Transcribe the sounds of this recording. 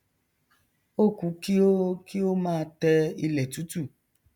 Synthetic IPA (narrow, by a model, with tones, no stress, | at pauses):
o˦˨ku˨˦ki˦o˦ki˦o˦mãː˦˧tɛ˧i˧lɛ˨tu˨˦tu˦˨